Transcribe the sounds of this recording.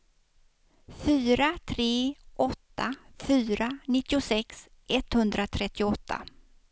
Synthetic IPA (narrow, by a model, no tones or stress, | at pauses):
fyːɾat̪ʰɾeːʔɔt̪ːafyːɾanɪt̪ːɪʊsɛks | ʔɛt̪hɵnd̪ɾat̪ʰɾɛt̪ːɪʊɔt̪ʰːa̰